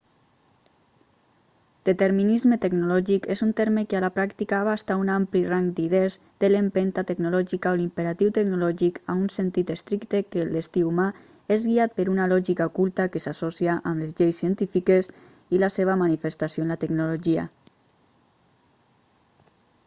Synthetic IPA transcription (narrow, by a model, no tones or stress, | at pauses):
d̪̥et̪eɾminizmet̪eɡnulɔʒikezunt̪eɾmekealapɾakt̪ikaaβast̪aunampliraŋd̪iðez | d̪elempent̪at̪eɡnulɔʒikaolimpeɾat̪iwt̪eɡnulɔʒikaunsent̪it̪est̪ɾikt̪ekeːlˠd̪est̪iuma | ezɣiat̪̚peɾunalɔʒikaokulˠt̪akesasosiaʔamlezʎejsːiənt̪ifikez | ilaseβ̞amanifest̪asijoenlat̪eɡnuloʒia̰